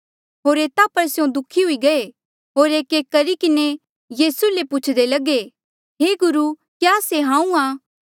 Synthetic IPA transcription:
ɦoːɾeːt̪apɐɾsjõd̪ʊkʰiɦʊiɡɐe | ɦoːɾeːkeːkːɐɾikɪne | jiːsulepʊt͡ʃʰd̪elɐɡe | ɦeːɡʊɾu | kjaːseɦãːũaː

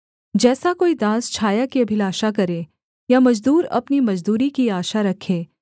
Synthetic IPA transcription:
d͡ʒɛːsakoːid̪aːst͡ʃʰaːjakiɐbʱɪlaːʃakɐɾe | jamɐd͡ʒd̪uːɾɐ̰pnimɐd͡ʒd̪uːɾikiaːʃaɾɐkʰːeː

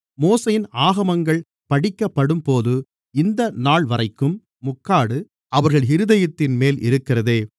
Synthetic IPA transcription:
moːsɐjɪnaːɣɐmɐŋɡɐɭ | pɐɽɪkːɐpːɐɽɯmpoːðɯ | ɪnd̪ɐnaːɭʋɐrɐɪkːɯmː | ʊkːaːɽɯ | ɐʋɐɾɣɐɭɪɾɯðɐjɐt̪ːɪnmeːlɪ̰ɾɯkːɪrɐðeː

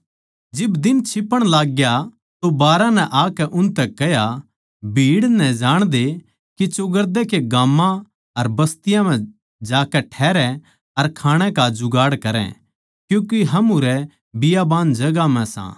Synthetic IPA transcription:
d͡ʒɪbd̪ɪnt͡ʃʰɪpːəɽ̃laːɡja | t̪obaːɾãnɛʔaːkɛʔʊnt̪ɛkɛja | bʱiːɽnɛ̃d͡ʒaːɽ̃d̪e | kit͡ʃʊɡəɾd̪ɛkeɡãːmːã | ɐɾbɐst̪ɪjãmɛ̃ | d͡ʒaːkɛʈʰɛːɾɛ̃ | ɐɾkʰaːɽ̃ɛ̃kad͡ʒʊɡaːɽkɐɾɛ̰̃ | kjũːkiɦɐmuɾɛ | bɪjabaːnd͡ʒɐɡamɛ̃sã̰ː

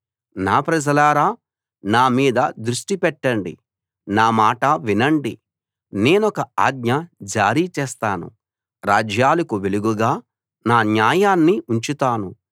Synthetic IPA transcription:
naːpɾɐd͡ʒɐlaːɾaː | naːmiːd̪ɐd̪ɾuʂʈipɛʈːɐɳɖḭ | naːmaːʈɐʋinɐɳɖi | ne̞ːnɔkɐaːɡɲɐd͡ʒaːɾiːt͡ʃɛːst̪aːnṵ | ɾaːd͡ʒjaːlɐkuʋeluɡuɡaː | naːnjaːjaːnːiʔuɲt͡ʃit̪aːnu

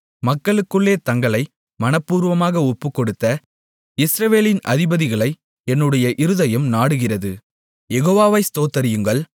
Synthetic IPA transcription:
mɐkːɐɭɯkːɯɭːeːt̪ɐŋɡɐɭɐɪ | mɐnɐpːuːɾʋɐmaːɣɐɔpːɯkːɔɽɯt̪ːɐ | ɪsɾɐʋeːlɪnʔɐðɪbɐðɪɣɐɭɐɪ | ɛnːɯɽɐjɐʔɪɾɯðɐjɐmnaːɽɯɣɪrɐðɯ | jɛɣoːʋaːʋɐɪst̪oːt̪ːɐɾɪjɯŋɡɐɭ

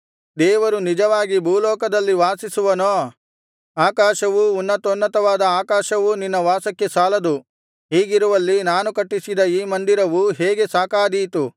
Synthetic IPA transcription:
d̪ɛːʋɐɾunid͡ʒɐʋaːɡibʱuːlɔːkɐd̪ɐlːiʋaːsisuʋɐnoː | aːkaːʃɐʋuunːɐt̪onːɐt̪ɐʋaːd̪ɐaːkaːʃɐʋuninːɐʋaːsɐkːe̞saːlɐd̪u | ɦiːɡiɾuʋɐlːinaːnukɐʈːisid̪ɐiːmɐnd̪iɾɐʋuɦeːɡe̞saːkaːd̪ijt̪u

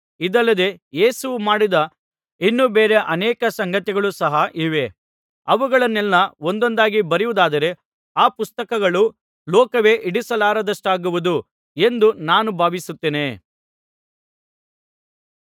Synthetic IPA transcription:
id̪ɐlːɐd̪e̞jeːsuʋumaːɽid̪ɐ | inːuːbeːɾe̞ʔɐnɛːkɐsɐŋɡɐt̪iɡɐɭusɐɦɐʔiːʋe̞ | ɐʋuɡɐɭɐnːɛlːɐo̞nd̪o̞nd̪aːɡibɐɾiʋud̪aːd̪ɐɾe̞ | aːpust̪ɐkɐɡɐɭu | lɔːkɐʋe̞ːʔiɽisɐlaːɾɐd̪ɐʂʈaːɡuʋud̪u | e̞nd̪unaːnubʱaːʋisut̪ːeːne̞

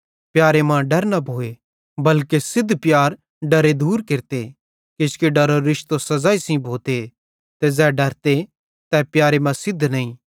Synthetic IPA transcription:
pjaːɾemãɖɐɾnɐbʱoːe | bɐlkesɪd̪ʱːpjaːɾ | ɖɐɾed̪uːɾkɪɾt̪e | kɪskeɖɐɾoɾɪʃt̪osɐzaːisĩbʱoːt̪e | t̪ɛzɛːɖɐɾt̪e | t̪ɛpjaːɾemɐ̃sɪd̪ʱːnɐĩ

